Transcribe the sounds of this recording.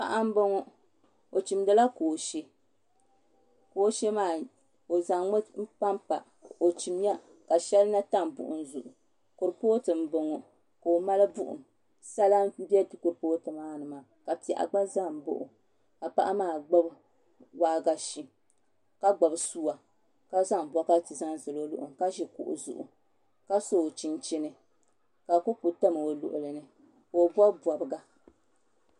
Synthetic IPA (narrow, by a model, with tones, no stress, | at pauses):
pa̰˦ʔa˦m̩˦bo˦ŋɔ˦ | o˨t͡ʃi˨mdɨ˦la˦koː˨ʃe˦ | ko˨˦ʃe˦maː˦˨ | o˨za˨ŋɔ˦m̩˦pa˦mpa˨ | o˨t͡ʃi˨m˦ja˦ | ka˨ʃɛ˦lɨ˦na˦ta˦˨m˨bʊ̰˨ʔʊ˨n̩˦zʊ˨ʔʊ˨ | ko˨ɾpoː˦tɨ˨m̩˦bo˨ŋɔ˨ | ko˨ma˦lɨ˦bʊ˦ʔʊ̰˨m | sa˦la˦bɛ˦tɨ˦ko˨ɾpoː˦tɨ˨maː˦nɨ˨maː˨ | ka˨pi˨ɛ˨ʔa̰˨ɡ͡ba˦za˦˨m˨bo̰˦ʔʊ̰˨ | ka˨pa˦ʔa˦maː˦˨ɡ͡ba˦b | waː˦ɡa˦ʃi˦ | ka˦ɡ͡ba˨bsuː˦wa˨ | ka˦za˦m˨bʷɔ˦ka˦tɨ˨za˦n˨zɨ˨lo˦lʊ̰˨ʔʊ̰˨mka˦ʒɛ˨kʊ̰˨ʔʊ̰˨zʊ̰˨ʔʊ̰˨ | ka˦soː˦˨t͡ʃi˦nt͡ʃi˦nɨ˨ | ka˨ko˦pu˨ta˦mɨ˨o˨lʊ̰˨ʔʊ˨lɨ˨nɨ˨ | ko˨bɔ˦bɔ˨bɨ˨ɡa˦